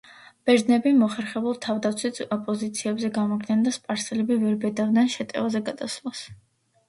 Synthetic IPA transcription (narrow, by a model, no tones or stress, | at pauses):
b̥ɛɾd̪nɛbimɔχɛɾχɛbulˠt̪ʰavd̪at̪sʰwit̪ɔpʼɔzit̪sʰiɛbzɛɡamɔɡnand̪aspʼaɾsɛlɛbivɛɾbɛd̪avd̪nɛnʃɛt̪ʼɛ̰vazɛɡad̪aslˠas